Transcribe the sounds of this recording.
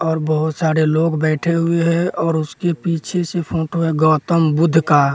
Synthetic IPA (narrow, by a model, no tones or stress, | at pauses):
ɔːɾbəɦʊt̪saːɾeloːɡbɛːʈʰeɦʊeɦɛ̃ɔːɾʊskepiːt͡ʃʰesepʰõːʈɦueɡɔːt̪əmbʊd̪ʱːka